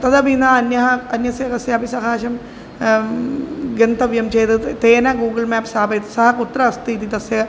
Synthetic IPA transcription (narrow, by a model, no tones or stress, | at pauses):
t̪ɐd̪ɐbinaɐnjɐɦɐɐnjɐsjɐkɐsjɐɐbʱisɐɦaːʃɐm | ɡɐnt̪ɐʋjɐmt͡ʃejt̪ɨt̪eːnɐɡuːɡɐlmaːpsaːbɐt̪sɐɦɐkut̪ɾɐːst̪iːt̪it̪ɐsjɐ